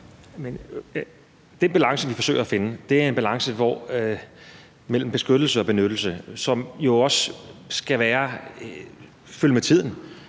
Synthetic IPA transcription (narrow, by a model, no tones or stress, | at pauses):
men | d̥enb̥ælɑ̈ŋsəʋifɒ̽sø̰ːɐæfe̝nəd̥e̝æɐe̝nb̥ælɑ̈ŋsəʋɒ̰ | mel̰m̩b̥e̝sɡ̥ød̥l̩səɒ̽b̥e̝nød̥l̩səsɒ̽mjo̝ɒ̽ssɡ̥æʋæːɐ | fyləmet͡sʰið̰ˠn̩